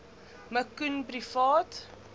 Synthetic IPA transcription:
məkːunpɾifɑːt

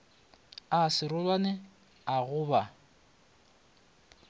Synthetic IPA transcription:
asɪɾʊlwanɪ | aɣʊːba

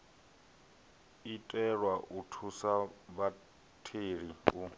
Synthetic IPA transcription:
itʼɛɺwaʔutʰusaβa | tʰeɺiu

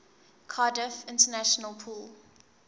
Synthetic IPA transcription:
kʰɑdəfɪ̃ntənæʃənəlˠpʰuːl

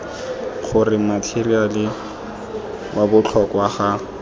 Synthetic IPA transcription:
χʊrɪmatʰerialɪ | babʊt͡ɬʰɔkwaχa

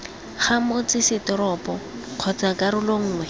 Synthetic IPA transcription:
χamot͡sɪsɪtɔɾɔpɔ | q͡χʰɔt͡sakaɾʊloŋ̩ːŋwɛ

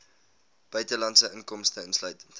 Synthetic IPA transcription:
b̥œɥtəlɑntsəʔəŋkɔmstəənslœɥtənt

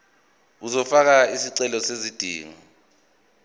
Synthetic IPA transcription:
uzɔfak̬aisiǀɛlɔsezid̥ʱḭːŋɔ

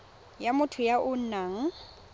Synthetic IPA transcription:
jamʊtʰʊjaʔʊn̩naːŋ̩

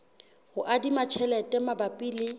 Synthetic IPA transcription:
hʊʔadimat͡ʃʰɛlɛtʼɛmabapʼiːlɪ

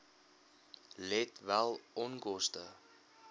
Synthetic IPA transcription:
lɛtvælˠɔnkɔstə

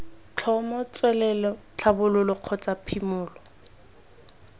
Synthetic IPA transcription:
t͡ɬʰɔmɔt͡swɛlɛlɔt͡ɬʰabʊlʊlʊq͡χʰɔt͡sʼapʰimʊːlɔ

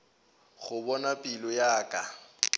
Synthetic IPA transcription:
ɣʊbɔnapʼilɔjaːkʼa

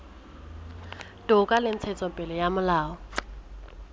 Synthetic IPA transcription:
tʼʊkʼalɪn̩t͡sʰɛt͡sʼɔpʼɪlɛjamʊlaːɔ

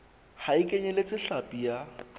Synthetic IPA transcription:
haɪkʼeɲɛlet͡sʼɪɬapʼija

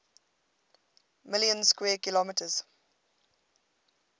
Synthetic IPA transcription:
mɪljə̃nskwɛːkɪlɔmɪtʰəz̥

